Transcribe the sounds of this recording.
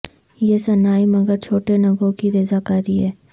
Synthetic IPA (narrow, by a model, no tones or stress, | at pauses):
jesɐnaːimɐɡəɾt͡ʃʰoːʈenɐɡõkiɾeːzakaːɾiɦɛː